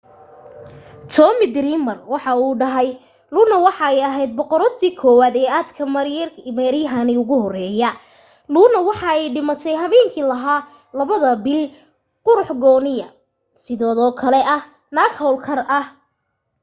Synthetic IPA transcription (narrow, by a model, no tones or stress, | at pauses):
t̪ʰɔːmɪd̪ɾimɐrwɑħɑuːɖɐɦɛj | luːnɐwɑħɑɛjɐɦɛjd̪̚bɔqɔɾɔt̪ːiːkʰɔːwaːd̪ɛːaːd̪kʰɐmɐɾmɛɾɪjɐɦɐniʊɣʊhɔrɛːjɐ | luːnɐwɑħɑɛjɖɪmɐt̪ʰɛjɦɐmɛːŋkʰiːlɐɦaː | lɐβɐðɐbɪl | qʊɾʊħɡɔːnɪjɐ | sɪðɔːðɔːkʰɐlɛɐh | naːɡhɔlkʰɐrʔɐh